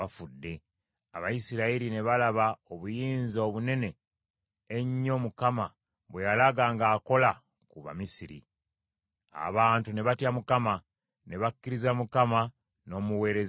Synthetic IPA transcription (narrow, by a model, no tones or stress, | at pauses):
afudːe̞ | aβajisiɾaiɾine̞βalaβaoβujiːnzoβune̞ne̞ː | ɲːo̞mukama | βwe̞jalaɡaːŋɡaːko̞la | kuβa̰misiɾḭ | a̰βaːntune̞βatjamukama | ne̞βakːiɾizamukama | no̞ːmuwe̞ːɾez